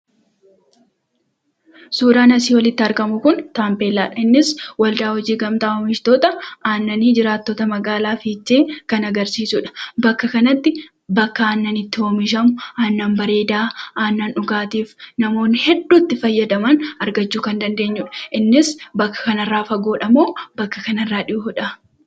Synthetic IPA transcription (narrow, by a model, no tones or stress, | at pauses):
suːd̪aːnɐsiːwɐlɪt̪ːɪɐɾkɐmʊkʊnt̪aːmpe̞ːlːaːᶑɐɪnːɪswɐld̪aːhɔd͡ʒiːɡɐmt̪aoːmɪʃt̪oːt̪ɐaːnːɐniːd͡ʒɪɾaːt̪ːoːt̪ɐmɐɡaːlaːfiːt͡ʃːe̞ːkɐnɐɡɐɾsiːsʊːᶑɐ̥bɐkːɐkɐnɐt̪ːɪ | bɐkːɐaːnːɐnɪt̪ːɪhoːmɪʃɐmʊaːnːaːnbɐɾe̞ːd̪aːaːnːaːnᶑʊɡaːt̪iːfnɐmo̞ːnːɪhɛdːuːt̪ːɪfɐjːɐd̪ɐmɐnɐɾɡɐt͡ʃːuːkɐnd̪ɐnd̪e̞ːɲːuːᶑɐ̥ʔɪnːɪsbɐkːɐ̥kɐnɐrːaːfɐɡoːᶑɐmoːbɐkːɐkɐnɐrːaːᶑɪʔʊhʊᶑɐ